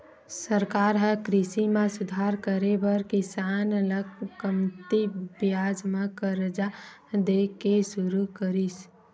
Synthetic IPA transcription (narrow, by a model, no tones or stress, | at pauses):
səɾkaːɾɦə̃kɾɪsimẽsʊd̪ʱaːɾkəɾebəɾkɪsaːnələkkəmt̪ibjaːd͡ʒmãkəɾd͡ʒa | d̪eːkeʃʊɾukəɾis